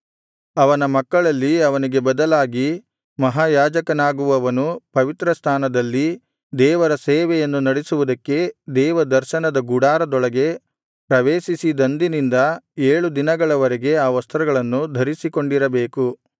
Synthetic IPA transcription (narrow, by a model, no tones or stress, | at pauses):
ɐʋɐnɐmɐkːɐɭɐlːiɐʋɐniɡe̞bɐd̪ɐlaːɡi | mɐɦaːjaːd͡ʒɐkɐnaːɡuʋɐɐʋɐnupɐʋit̪ɾɐst̪ʰaːnɐd̪ɐlːi | d̪ɛːʋɐɾɐseːʋɛjɐnːunɐɽesuʋud̪ɐkːe̞d̪ɛːʋɐd̪ɐɾʃɐnɐd̪ɐɡuɽaːɾɐd̪ɔɭɐɡe̞ | pɾɐʋeːʃisid̪ɐnd̪inind̪ɐeːɭud̪inɐɡɐɭɐʋɐɾɛɡe̞aːʋɐst̪ɾɐɡɐɭɐnːud̪ʱɐɾisiko̞ɳɖiɾɐbeːku